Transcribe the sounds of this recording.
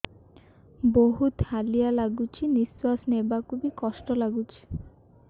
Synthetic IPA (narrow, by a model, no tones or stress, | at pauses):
boɦut̪halijalaɡut͡ɕʰiniswasnebakʰubikɔʃʈɔlaɡut͡ɕʰi̥